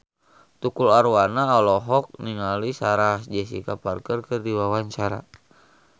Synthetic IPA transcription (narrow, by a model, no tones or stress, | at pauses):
t̪ukulaɾuwanaɔlɔɦɔk̚niŋalisaɾasd͡ʒɛs̬ḭkaparkərkɨrdiwawaɲt͡ʃaɾa̰